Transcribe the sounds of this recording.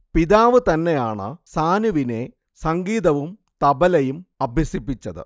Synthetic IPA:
piðaːʋɨt̪ɐnːe̞jaːɳɨ̰saːnuʋine̞ | sɐŋɡiːðɐʋum | t̪ɐbɐlɐjumɐbʱjɐsipːit͡ɕːɐðɨ̰

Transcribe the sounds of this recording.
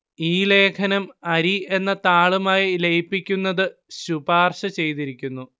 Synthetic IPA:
iːle̞ːkʰɐnɐmɐɾie̞nːɐt̪aːɭumaːjilejpːikʲːunːɐðɨɕubaːrɕɐt͡ɕe̞jt̪iɾikʲːunːu

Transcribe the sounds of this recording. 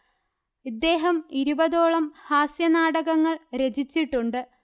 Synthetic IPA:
id̪ːe̞ːɦɐmiɾubɐðo̞ːɭɐmhaːsjɐnaːɽɐɣɐŋːɐɭɾe̞d͡ʑit͡ɕːiʈːuɳɖɨ

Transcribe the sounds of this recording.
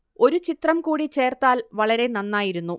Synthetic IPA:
o̞ɾut͡ɕit̪rɐmkuːɽit͡ɕe̞ːrt̪aːlʋɐɭɐɾe̞nɐnːaːjiɾunːu

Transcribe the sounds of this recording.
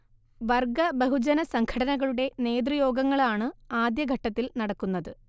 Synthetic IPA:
ʋɐrɡɐbeɦud͡ʑɐnɐsɐŋɡʰʱɐɽɐnɐɣɐɭuɽe̞ne̞ːd̪̬ɾujo̞ːɡɐŋːɐɭaːɳɨaːd̪jɐɡʱɐʈːɐt̪ːilnɐɽɐkːunːɐðɨ

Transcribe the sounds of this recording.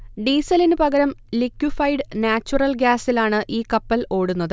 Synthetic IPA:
ɖiːsɐlinɨpɐɣɐɾɐmlikjufɐjɖnaːt͡ɕːurɐlɡʲaːsilaːɳɨʔiːkɐpːɐlo̞ːɽunːɐðɨ

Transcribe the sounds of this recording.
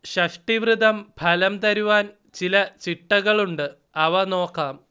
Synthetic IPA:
ɕɐʂʈiʋɾɨd̪ʱɐmpʰɐlɐmt̪ɐɾuʋaːn | t͡ɕilɐt͡ɕiʈːɐɣɐɭuɳɖɨ | ɐʋɐno̞ːkːaːm

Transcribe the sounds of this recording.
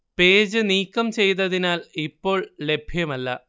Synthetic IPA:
pe̞ːd͡ʑɨniːkːɐmt͡ɕe̞jt̪ɐðinaːlipːo̞ːɭle̞bʱjɐmɐlːɐ̰

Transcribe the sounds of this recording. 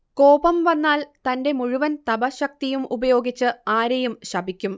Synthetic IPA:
ko̞ːbɐmʋɐnːaːlt̪ɐnde̞muɻuʋɐnt̪ɐbɐɕɐk̚t̪ijumubɐjo̞ːɡit͡ɕːɨaːɾɐjumɕɐbʱikʲːum

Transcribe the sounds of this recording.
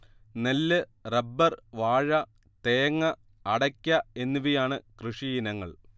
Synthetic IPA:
nɐlːɨrɐbːɐrʋaːɻɐ | t̪eːŋːɐː | ɽɐkʲːɐe̞nːiʋijaːɳɨkrɨʂijinɐŋːɐ̰ɭ

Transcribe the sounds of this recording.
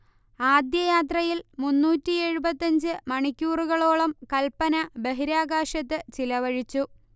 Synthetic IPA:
aːd̪jɐjaːt̪̬rɐjilmunːuːtːie̞ɻubɐt̪ːɐɲd͡ʑɨmɐɳikʲːuːruɣɐɭo̞ːɭɐmkɐlpɐnɐbe̞ɦiɾaːɡaːʂɐt̪ːɨt͡ɕilɐʋɐɻit͡ɕːu

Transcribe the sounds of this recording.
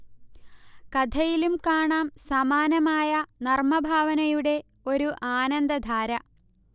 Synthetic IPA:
kɐd̪ʱɐjilumkaːɳaːmsɐmaːnɐmaːjɐnɐrmɐbʱaːʋɐnɐjuɽe̞ | o̞ɾuʔaːnɐnd̪ɐd̪ʱaːɾɐ

